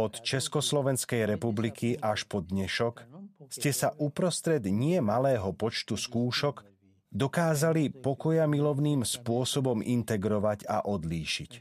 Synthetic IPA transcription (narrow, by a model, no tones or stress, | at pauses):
ɔt̪t͡ʃɛskɔslɔʋɛnskɛjɾɛpublikʰiʔaʃpɔd̪ɲɛʃɔkscɛsaʔupɾɔst̪ɾɛd̪ɲɪɛmalɛːɦɔpɔt͡ʃt̪uskuːʃɔɡ | d̪ɔkaːzalipɔkɔjamilɔʊniːmspʊɔsɔbɔmḭnt̪ɛɡɾɔʋaɟa̰ʔɔd̪liːʃic